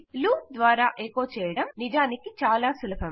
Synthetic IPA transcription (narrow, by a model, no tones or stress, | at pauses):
luːd̪ʋaːɾaːʔeːkoːt͡ʃɛːjɐɽɐmnid͡ʒaːnikit͡ʃaːlaːsulɐbʰʱɐm